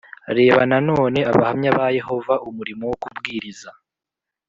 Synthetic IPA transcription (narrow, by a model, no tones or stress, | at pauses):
ɾe̞ːβanano̞ːne̞aβahamɲaβaje̞ɦo̞vaʔumuɾimowokubɡiːɾiza